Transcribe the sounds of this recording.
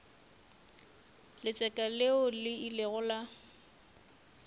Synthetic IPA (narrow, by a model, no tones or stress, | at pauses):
lɪt͡sʼɛkʼaleʊlɪileɣʊla